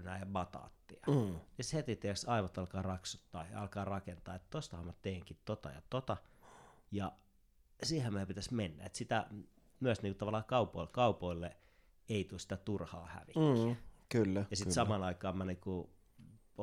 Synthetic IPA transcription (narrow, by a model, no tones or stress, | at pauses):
næːjɑmɑt̪ɑ̰ːt̪ːiɑnist̪het̪it̪iæksɑiʋɑt̪ɑlkɑːrɑksut̪ːɑ̰ːjɑ̰ɑlkɑːrɑkent̪ɑːet̪t̪ost̪ɑhɑmæt̪eːŋkit̪t̪ot̪ɑ̰jɑ̰t̪ot̪ɑ | jɑ | siːhæmmiøpit̪æsmenːæ̰ḛt̪sit̪æ̰ | myæsniːŋkut̪ɑʋɑlːˑɑːkɑupoilkɑupoilːe | eit̪usi̥t̪æt̪urhɑ̰ːhæ̰ʋikːiækylːæjɑsit̪sɑmɑnɑikɑːmæniːku